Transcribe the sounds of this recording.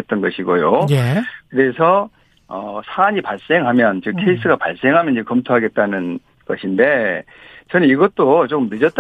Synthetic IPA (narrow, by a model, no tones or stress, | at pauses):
t̚t͈ʌnɡʌɕʰiɡojojkɯɾe̞sʰʌ | ʌsʰaaɲipaɭs͈e̞ŋɦamjʌnt͡ɕɯkʰeis͈ɯɡapa̰ɭs͈e̞ŋɦamjʌnd͡ʑekʌmtʰoɦaɡe̞t̚t͈anɯn | ɡ̥ʌɕʰinde̞ | t͡ɕʌnɯniɡʌt͈ot͡ɕok͈ɯmnɯd͡ʑʌt̚t͈